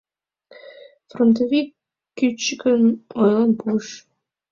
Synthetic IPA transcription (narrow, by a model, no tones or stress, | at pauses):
front̪̬ovikː | yt͡ɕːəkənojlenpuʃ